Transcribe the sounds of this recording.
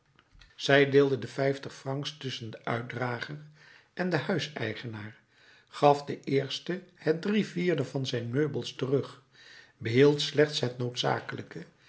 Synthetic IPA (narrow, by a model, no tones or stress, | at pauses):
z̥ɛjdɪːlˠdədəfɛjftəχfrɑŋkstʏsəndəʔœɥt̚draːχər | ʔɛndəhœɥsɛ̰jχənaːɹ | χɑfdəʔɪːɹstəhɛt̚driviːɹdəvɑnzɛjnmøɥbəlˠstərɵχ | bəɦilˠtslɛχtsɦətnowtsa̰ːkələkə